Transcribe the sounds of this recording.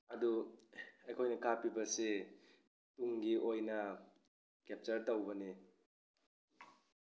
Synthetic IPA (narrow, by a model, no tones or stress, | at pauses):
ɐdu | ɐjkʰojnɐkʰapibɐsi | tuŋɡiʔojnɐ | kep̚t͡ʃɐɾtɐwbɐni